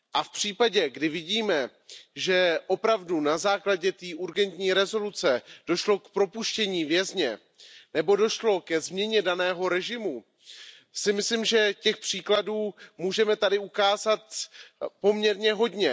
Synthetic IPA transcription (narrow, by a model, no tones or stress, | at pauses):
ʔafpr̝̥iːpaɟɛɡdɪvɪɟiːmɛ | ʒɛʔo̞pɾavdunazaːklaɟɛt̪iːʔuɾɡɛnt̪ɲiːɾɛzo̞lut͡sɛd̥o̞ʃlo̞kpɾopuʃcɛɲiːvjɛzɲɛ | nɛbo̞do̞ʃlo̞kɛzmɲɛɲɛdanɛːɦo̞ɾɛʒɪmu | sɪmɪslɪmʒɛcɛxpr̥iːkladuːmuːʒɛmɛt̪adɪukaːzat̪po̞mɲɛɾɲɛɦo̞dɲɛ